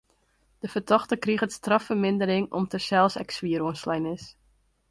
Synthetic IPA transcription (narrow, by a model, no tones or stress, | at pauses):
d̥əfərtɔxtəkriɣətstrɑfərmɪndəɾɪŋɔmtəsɛlˠsɛksʋiəɾuənslɛjnɪs